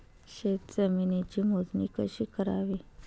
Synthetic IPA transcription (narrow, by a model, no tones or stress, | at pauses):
ɕet̪t͡səminet͡ɕiːmod͡zniːkəɕiːkəɾa̰ʋi